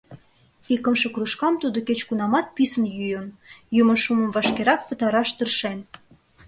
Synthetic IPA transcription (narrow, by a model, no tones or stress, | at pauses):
ikə̆mʃɤ̆kruʃkɑmt̪ud̪oket͡ɕkunɑmɑt̪̚pisənjyjənjuməʃumə̆mvɑʃkeɾɑk̚pə̆t̪ɑɾɑʃt̪ərʃen